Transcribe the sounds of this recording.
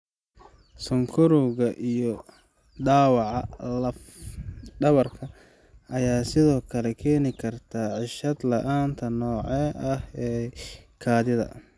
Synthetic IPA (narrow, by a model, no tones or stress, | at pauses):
sʊŋkʰʊɾuɣɐʔijɔ | ɖaːwɑʕɑlɐf | ɖɐβɐrkʰɐ | ʔɐjaːsɪðɔːkʰɐlɛkʰɛːnɪkʰɐrt̪ʰaːʕɪʃɐd̪lɐʔaːnt̪ʰɐnɔːʕɛːʔɐhɛːkʰaːðɪðɐ̰